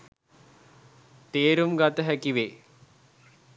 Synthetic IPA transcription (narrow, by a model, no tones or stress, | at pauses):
t̪eːɾumɡat̪əɦækiʋeː